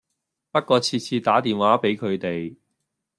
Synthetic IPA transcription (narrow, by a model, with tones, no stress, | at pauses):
pɐ˥t̚kɔː˧t͡sʰiː˧t̚t͡sʰiː˧t̪aː˨˥t̪iː˨nwaː˨˥pe˨˥jkʰɵ˨˧ɥt̪e˨j